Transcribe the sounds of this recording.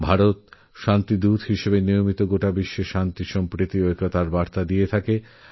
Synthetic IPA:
bʱaɾot̪ | ʃant̪id̪ud̪ɦiʃebenijomit̪oɡoʈabiʃːeʃant̪iʃɔmpɾit̪iojkot̪aɾbaɾt̪ad̪ijet̪ʰake

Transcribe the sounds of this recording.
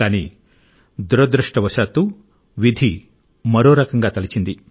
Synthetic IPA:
aːni | d̪uɾɐd̪ɾuʂʈɐʋɐʃaːt̪u | ʋid̪ʱi | mɐɾoːɾɐkɐŋɡaːt̪ɐlit͡ʃind̪i

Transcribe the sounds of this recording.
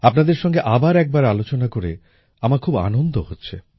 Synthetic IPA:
apnad̪eɾʃɔŋɡeʔabaɾɛk̚baɾalot͡ɕonakoɾe | amaɾkʰuba̰nond̪ʱohotːɕʰḛ

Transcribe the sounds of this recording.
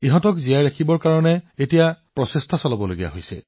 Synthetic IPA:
iɦɔ̃tɔkzijajɹakʰibɔɹkaɹɔnɛetijapɹɔsestʰasɔlabɔloɡija̰ɦojsɛ̰

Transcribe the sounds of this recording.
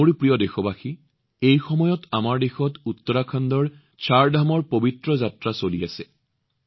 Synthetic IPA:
oɹpɹijɔdexɔbaxi | ejxɔmɔjɔtamaɹdexɔtutːɔɹakʰandɔɹ | t͡ʃʰaɹdʱamɔɹpobitɹɔzatɹasoliasɛ

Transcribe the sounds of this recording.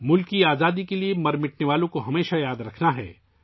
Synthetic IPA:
mʊlkiaːzaːd̪ikeliemɐɾmɪʈneʋaːlõkoɦɐmeːʃajaːd̪ɾɐkʰnaɦɛ̰ː

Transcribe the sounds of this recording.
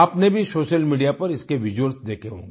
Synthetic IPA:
aːpnebʱisoːʃəlmiːɖijapɐɾɪskeʋɪd͡ʒwəɾsd̪eːkʰeɦõ̰ːŋɡe

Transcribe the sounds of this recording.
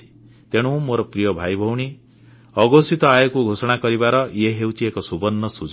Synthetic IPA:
i̥ | t̪eɽ̃ũmoɾɔpɾijɔbʱajbʱɔwɽ̃i | ɔɡɔsit̪ɔajɔkuɡʱosɔɽ̃akɔɾibaɾɔjeɦewt͡ʃʰiekɔsubɔnːɔsud͡ʒ

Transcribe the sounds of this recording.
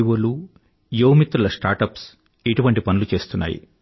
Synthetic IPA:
ʋolu | joːwmit̪ːɾulɐsʈaːɾʈɐps | iʈuʋɐɳʈipɐnulut͡ʃe̞ːst̪unːa̰ːjḭ

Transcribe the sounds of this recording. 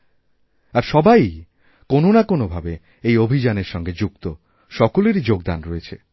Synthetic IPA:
aɾʃɔbaj | kononakonobʱabe | ejobʱid͡ʑaneɾʃɔŋɡed͡ʑukt̪o | ʃɔkoleɾid͡ʑoɡd̪a̰nɾoet͡ɕʰe

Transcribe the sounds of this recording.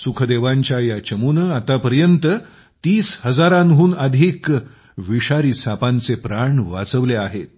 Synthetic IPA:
sukʰəd̪eʋãɲt͡ɕjajat͡ɕəmunəat̪apəɾjənt̪ə | t̪iːshəd͡zaɾanɦuːnəd̪ʱiːk | ʋiɕaɾiːsapãnt͡sepɾaɳʋat͡səʋleaɦet̪̚

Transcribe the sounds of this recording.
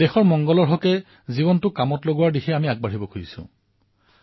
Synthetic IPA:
dɛxɔɹmɔŋɡɔlɔɹɦɔkɛ | ziβɔntʊkamɔtloɡʊwaɹdixʰɛamiaɡ̚baɹibɔkʰuɹisʊ̰̃

